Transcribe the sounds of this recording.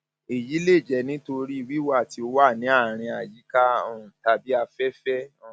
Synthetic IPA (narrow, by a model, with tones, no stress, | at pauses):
e˨ji˨˦le˦˨d͡ʒɛ˨˦nĩ˦to˧ɾi˦i˦˨wi˦wa˦˨ti˧o˧wa˦˨nĩ˨˦a˦˨ɾ̃ĩ˧a˨ji˨˦ka˦ɔ˦˨ũ˨ta˧bi˦a˧fɛ˦fɛ˦ɔ˦˨